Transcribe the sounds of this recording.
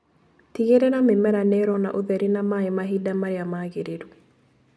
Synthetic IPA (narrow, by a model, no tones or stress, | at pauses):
tiɡeɾenamɪmɛɾanɛɾɔna̰ʔoðɛɾinamaɛmaɦidamaɾɪamaɡeɾeɾu